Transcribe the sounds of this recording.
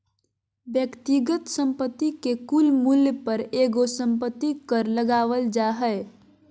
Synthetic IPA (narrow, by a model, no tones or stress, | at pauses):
bjəkt̪iɡət̪sə̃mpət̪ːikekulmuljpəɾeɡosəmpət̪ːikəɾləɡaʋəld͡ʒaɦɛ